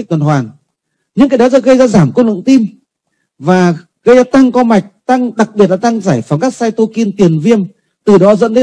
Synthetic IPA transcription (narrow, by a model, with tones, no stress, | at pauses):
k̚t̪ʰə˨˩nhwaː˨˩ŋ | ɲɨ̰˧˥ŋkaː˨˦jɗɔ˨˦zɔː˧˥ɣə˧jzaː˧zaː˧˩mko˧lɨ̰˧˨ŋt̪i˧m | vaː˨˩ | ɣə˧jzaː˧t̪a˧ŋkɔ˧ma˨˩jk̟̚t̪a˧ŋɗa˨˩k̚ɓi˨˩ət̚laː˨˩t̪a˧ŋzaː˧˩jfaː˨˩nkaː˦˥k̚saː˧jt̪o˧ki˧nt̪i˨˩ənvi˧əm | t̪ɨ˨˩ɗɔ˨˦zə̰˧˥nt̪ə˨˦